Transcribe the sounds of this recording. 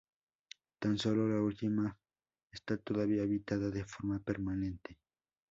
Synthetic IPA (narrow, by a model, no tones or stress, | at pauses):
t̪ansololault̪ima | est̪at̪oðaβiaeβit̪aðaðefoɾmapeɾmanẽnt̪e